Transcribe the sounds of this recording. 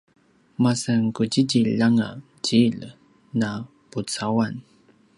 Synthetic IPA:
masaŋkuɟiɟiʎaŋa̰ | t͡ɕiʎ | na | put͡sawan

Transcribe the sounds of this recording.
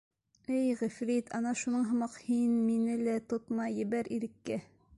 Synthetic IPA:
ɘjʁɘ̆fɾit̪ʰɑnɑʃunɤɴɦɤ̆mɑqhinminɘlæt̪ot̪mɑjːɘ̆bæɾiɾɘ̆kːæ

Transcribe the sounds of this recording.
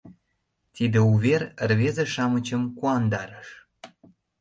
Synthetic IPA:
t̪id̪ĕuβerrβezĕʃɑmət͡ɕəmkuɑnd̪ɑɾəʃ

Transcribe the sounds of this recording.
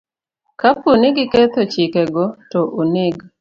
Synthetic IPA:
kapunɪɡɪket̪ot͡ʃɪkɛɡɔtoʔonɪɡ

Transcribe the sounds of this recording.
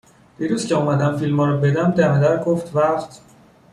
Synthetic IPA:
d̪̥iːɾuzcʰeuːmæd̪æmfilmɒːɾɔbe̞d̪æmd̪æmæd̪æɾɡoft̪væft̪

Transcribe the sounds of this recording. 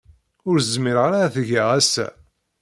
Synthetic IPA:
ʊɾəzmɪɾʁaɾaθəʝaʁæsːæ̰

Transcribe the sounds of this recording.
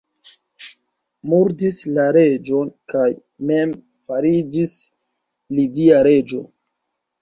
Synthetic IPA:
muɾdislaɾe̞d͡ʒo̞nkaj | me̞m | faɾid͡ʒis | lidiaɾe̞d͡ʒo̞̰

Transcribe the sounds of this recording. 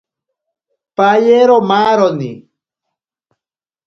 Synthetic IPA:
pajeɾomaɾonḭ

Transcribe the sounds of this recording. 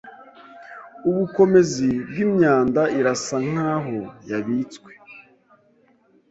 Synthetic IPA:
uβuko̞mezibɡimɲaːndaiɾasaŋ̥aːɦojaβiːt͡skwe̥

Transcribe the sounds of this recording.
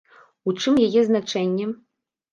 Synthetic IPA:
ut͡ʂɨmjɛɣʲeznat͡ʂɛnʲːɛ

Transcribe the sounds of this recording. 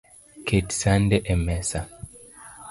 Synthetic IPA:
kʰeti̥sandɛʔɛmɛsa

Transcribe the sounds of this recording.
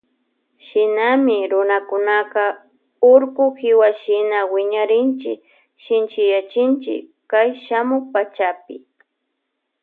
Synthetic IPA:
ʃɪnamɪɾʊnakʊnakɑ | ʊɾkʊkɪwaʃɪnawɪɲaɾɪnt͡ʃɪ̰k | ʃɪnt͡ʃɪjat͡ʃɪnt͡ʃɪ̰kː | ajʃamʊχpat͡ʃapɪ̰

